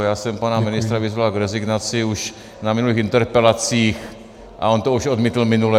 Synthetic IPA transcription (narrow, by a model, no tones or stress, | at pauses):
jaːsɛmpanamɪnɪst̪ɾavizvalɡɾɛziɡnat͡sɪuʃ | namɪnuliːxint̪ɛɾpɛlat͡siːx | ʔa̰ont̪ɔuʃod̪miːt̪l̩mɪnulɛ